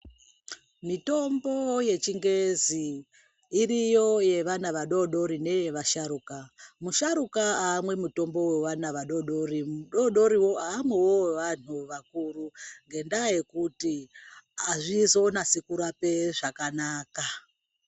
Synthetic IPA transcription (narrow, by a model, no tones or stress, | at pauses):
mito̞mbo̞je̞t͡ʃiŋɡe̞ziː | rijo̞je̞ʋanaʋaɗo̞ɗo̞ɾine̞je̞ʋaʃaɾukamuʃaɾukaaːmwe̞muto̞mbo̞we̞ʋanaʋaɗo̞ɗo̞rimuɗoɗo̞ɾiwo̞aːmwewoʋan̤uʋakuruŋɡe̞ndaje̞kuti | aʐizo̞nasekuɾape̞ʐakanaːka